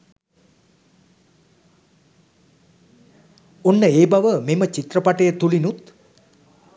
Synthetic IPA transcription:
onːəeːbaʋəmemət͡ʃit̪rəpaʈəjət̪ulinut̪

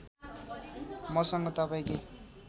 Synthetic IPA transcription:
mʌsʌŋɡʌt̪ʌpaj̃ke

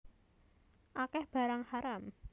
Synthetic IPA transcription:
ʔakɛhb̥a̤ɾaŋhaɾam

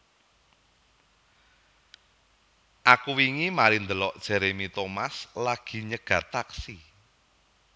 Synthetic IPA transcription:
ʔakuwiŋimaɾind̪əlɔʔd̥ʒ̥ɛ̤ɾemit̪omaslaɡ̥i̤ɲəɡ̥a̤t̪aksi

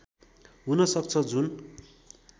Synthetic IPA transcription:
ɦunʌsʌk̚t͡sʰʌd͡zun

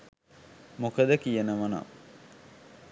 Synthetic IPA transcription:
mokəd̪əkijənəʋɐna̰

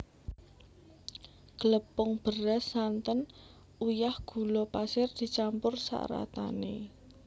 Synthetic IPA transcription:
ɡ̥ələpʊŋb̥əɾasant̪ən | ujahɡ̥ṳlɔpasɪrd̪̥i̤t͡ʃampʊrsa̰ʔɾa̰t̪a̰nḛ

